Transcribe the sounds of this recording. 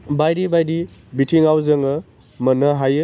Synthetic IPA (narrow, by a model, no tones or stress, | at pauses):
bajɾibajɾibitʰiŋawzɐŋɯ | mɐnɐɦajɯ